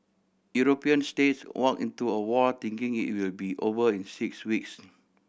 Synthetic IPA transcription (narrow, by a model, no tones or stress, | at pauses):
juɹopiə̃nstet̚swʔɔkḭ̃ntuəwɔt̪ĩŋkɪ̃ŋḭt̚wilbiʔovəĩnsikswiks